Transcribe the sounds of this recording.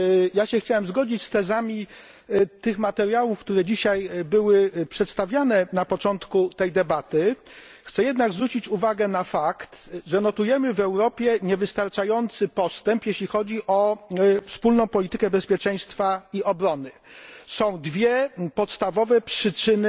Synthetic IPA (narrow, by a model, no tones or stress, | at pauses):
jaɕɛxt͡ɕawɛmzɡɔd͡ʑit͡ɕst̪ɛzamʲi | t̪ɘxmat̪ɛɾjawufkt̪uɾɛd͡ʑiɕajbɘwɘpʂɛt̪st̪avʲjanɛnapɔt͡ʂɔnt̪kut̪ɛjd̪ɛbat̪ɘ | xt̪sɛjɛd̪naɡzvɾut͡ɕit͡ɕuvaɡɛnafakt̪ʐɛnɔt̪ujɛmɘvɛwɾɔpʲjɛɲɛvɘst̪aɾt͡ʂajɔnt̪sɘpɔst̪ɛmpjeɕlʲixɔd͡ʑiʔɔfspulnɔ̃w̃pɔlʲit̪ɘkɛbɛspʲjɛt͡ʂɛj̃st̪faiɔbɾɔnɘsɔ̃w̃d̪vʲjɛpɔt̪st̪avɔvɛpʂɘt͡ʂɘnɘ